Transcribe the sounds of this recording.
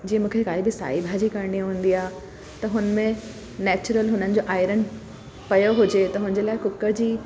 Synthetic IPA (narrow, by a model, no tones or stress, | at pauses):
d͡ʑĩːə̃mũːkʰekaːibɪsa̰ːibʱaːd͡ʑikaɾɳiɦũːn̆d̪iaːɦ | t̪ɐɦʊnəmẽ | nɛːt͡ɕʊɾəlɦʊnənɪ̆d͡ʑoːʔaːɪɾən | pɐjoɦʊd͡ʑet̪ɐɦʊnə̃ɲd͡ʑeːlaːɪkʊkəd͡ʑiː